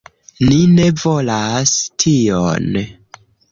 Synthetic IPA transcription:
nine̞volastʰio̰n

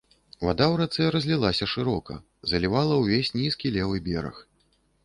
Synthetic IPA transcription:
va̰d̪awɾat̪sɛɾɐzʲlʲilˠasʲɐʂɨɾɔkɐ̰ | zɐlʲivalˠɐwvʲesʲnʲiskʲilʲɛvɨbʲɛɾɐ̰x

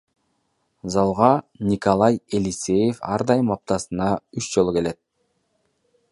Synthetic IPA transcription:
zɑlˠʁɑnʲikolˠɑjelʲisʲe̞jefɑ̰ɾd̪ɑjɯmɑp̚t̪ɑsɯnɑyt͡ʃd͡ʒo̞lˠuke̞le̞t̪̚

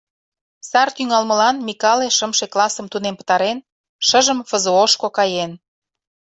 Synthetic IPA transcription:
sɑrt̪yŋɑlmə̆lɑnmikɑleʃəmʃeklɑsəmt̪unempə̥̆t̪ɑɾen | ʃəʒəmfəzooʃkokɑjen

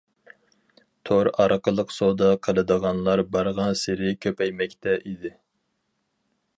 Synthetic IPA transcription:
t̪ʰoɾɑɾqəlˠəqsod̪ɑqʰəlˠɨd̪əʁɑnlˠɑɾbɑɾʁɑnsɪɾɪkʲʰøpɛjmɛkʲt̪ʰɛʔid̪ɪ

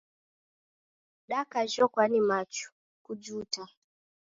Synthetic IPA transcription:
ɗakaʒɔkwanimat͡ʃu̥ | kud͡ʒuta

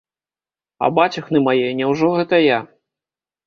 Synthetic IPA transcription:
ɐ̰bat͡sʲɐxnɨmajɛnʲɛwʐɔɣɛt̪ɐja

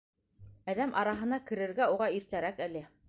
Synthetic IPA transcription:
æðæmʔɑɾɑɦɤ̆nɑkɘ̆ɾɘ̆ɾɡæuʁɑiɾt̪æɾækælɘ

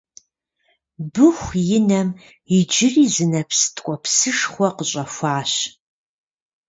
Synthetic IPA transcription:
bɨxʷjɪnɐm | ɪd͡ʒɪriːzɨnɐpsɨ̥tʰʼkʷʼɔpsɨʂχʷɔqəɕʼɐfʷaːɕ

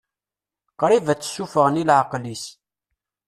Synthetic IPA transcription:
qɾˤivæt͡sːsːufəʁənilʕəqlis

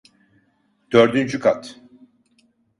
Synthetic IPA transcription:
d̪̥øɾd̪ynd͡ʒykʰat̪

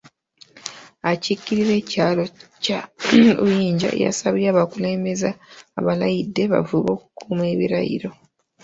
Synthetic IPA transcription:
acicːiɾiɾe̞ːcaːlo̞caujiːɲɟa̰ja̰saβijaːβakuleːmezaːβalajidːe̞βa̰vuβo̞ːkukʰuːme̞βiɾajḭɾo̞

